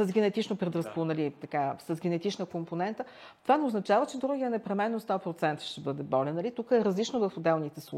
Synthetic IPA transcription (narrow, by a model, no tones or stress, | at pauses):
əzɡʲɛnɛt̪it͡ʃnopɾɛd̪ɾɐsknɐlit̪ɐkasəzɡʲɛnɛt̪it͡ʃnəkomponɛnt̪ə | tt̪ovanɛʊznɐt͡ʃavət͡ʃɛd̪ɾuɡijənɛpɾɛmɛnːost̪ɔpɾot̪sɛnt̪ə̥ʃt̪ɛbɤd̪ɛbɔlɛnɐlit̪ukəɛɾəzlit͡ʃnovəfod̪ɛlˠnit̪ɛslˠu